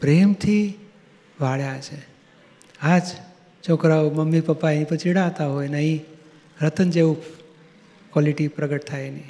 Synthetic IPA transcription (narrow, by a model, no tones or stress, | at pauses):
pɾemt̪ʰi | ʋaɭjat͡ʃʰe | ad͡ʒ | t͡ʃʰokɾaməmːipəpːaĩpət͡ʃiɽat̪aɦojnəɦĩ | ɾət̪ənd͡ʒeʋu | kwɔliʈipɾəɡəʈt̪ʰajni